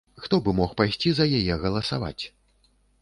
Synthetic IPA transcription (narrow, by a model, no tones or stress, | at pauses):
xt̪ɔbɨmɔxpajsʲt͡sʲizɐjajɛɣɐlˠɐsava̰t͡sʲ